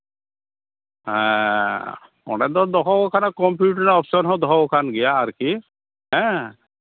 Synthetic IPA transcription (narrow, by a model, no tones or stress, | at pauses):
ɦɛ̃ | ɔ̰nɛd̪ɔd̪ɔkɔɡɔkʰanakɔmpjuʈɔnɔpsɔnɦɔ̃d̪ɔɦɔɔkʰanɡɛjaːɾki | ɦɛ̃